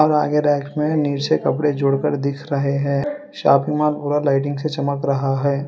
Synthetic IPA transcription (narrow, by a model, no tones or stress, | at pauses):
ɔːɾa̰ːɡeɖɛːksmẽniːɾt͡ʃekɐpɽed͡ʒʊːɽkəɾd̪ɪkʰɾɐɦeɦɛ̃ː | ʃa̰ːpɪ̃ŋɡmaːlpuːɾalaːɪʈɪ̃ŋɡset͡ʃɐməkɾɐɦaɦɛː